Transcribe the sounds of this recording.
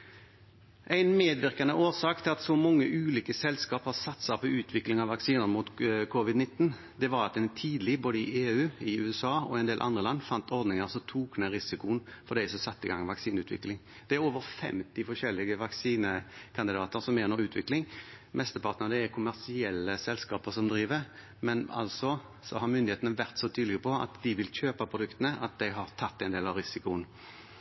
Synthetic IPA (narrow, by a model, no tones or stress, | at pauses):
ʔæɪnmeːd̪ʋɪʁkɑnəʔoːsɑːkt̪ʰɪlɑt̪sɔmɔŋːəʔʉːliːkəsɛlskɑːphɑʁsɑt̪ːsɑpʰɔʉːt̪ʰʋɪklɪŋɑʋɑksiːnəʁəmuːt̪kʰɔʋɪd̪nɪt̪ːn | d̪ɛʋɑɾɑt̪d̪ɛnt̪ʰiːd̪l̩ɪboːd̪əɪʔeːʉːɪʉːɛsɑːɔ̰ɛɪnd̪eːlʔɑ̰nd̪ɾʁəlɑnːfɑnt̪ʰɔɾd̪nɪŋəʁsɔt̪ʰuːknəɾɪsɪkʊnfɔd̪æɪsɔmsɑt̪ːəɪɡɑ̰ŋːʋɑksiːnʉːt̪ʰʋɪ̰klɪŋ | d̪̥ɛæɾoːʋəɾfɛ̰mt̪ɪfɔʂɛlːɪɡəʋɑksiːnəkʰɑnd̪ɪd̪ɑːt̪əɾsɔmeːnəɾʉːt̪ʰʋɪklɪŋ | mʔɛst̪əpʰɑʁt̪nəʁnəækʰʊmæʁsɪɛlːəsɛlskɑːpəɾsɔmd̪ɾiːʋəɾ | mɛnɑ̰lsɔ | sɔɦɑɾmʏnd̪ɪeːt̪ənəʋæʁt̪sɔt̪ʰyːd̪lɪɡəpʰɔɑ̰t̪d̪ɪʋɪlçøːpɑpʰʊd̪ʉkt̪ənəʔɑt̪̚d̪æɪɦɑʁt̪ʰɑt̪ːɛɪnd̪eːlɑʋɾɪsɪkʊən